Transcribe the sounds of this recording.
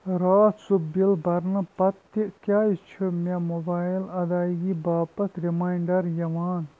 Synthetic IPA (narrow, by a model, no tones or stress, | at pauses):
ɾaːsubilbɐɾnɨpɐt̪ːikʲaːjit͡ʃʰumemobaːilɐd̪aːjɡibaːpɐt̪ɾimaːjɳɖɐɾjɐʋaːn